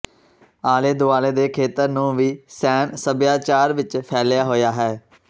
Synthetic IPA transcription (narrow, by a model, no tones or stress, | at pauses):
aːleːd̪ʊaːleːd̪eːkʰeːt̪əɾnũːʋiːsɛːnsəbjaːt͡ʃaːɾʋɪt͡ʃpʰɛːljaːɦoːjaːɦɛː